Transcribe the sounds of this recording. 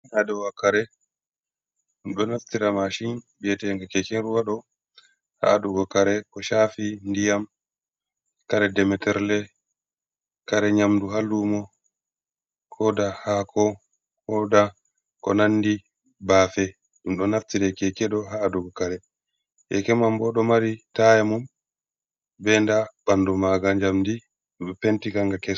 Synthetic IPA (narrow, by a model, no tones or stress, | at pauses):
nadɛwakaɾɛ | ɗumɗɔnaftiɾamaʃinbiɛtɛŋɡakɛkɛnɾuwaɗɔ | ha̰adɔɡɔkaɾɛkɔʃafindijam | kaɾɛdɛmɛtɛɾlɛ | kaɾɛɲamduɦalːumɔ | kʰɔdahakʰɔ | hɔda | kɔ̰nanːdi | baːfɛ | ɗumɗɔnaftidɛkɛkɛɗɔɦaːdɔɡɔkaɾɛ | ʔɛ̰kɛmambɔɗɔmaɾitajamum | bɛndaɓanːdɔmaɡaɲd͡ʒamdi | ɓɛpentikaŋɡakɛ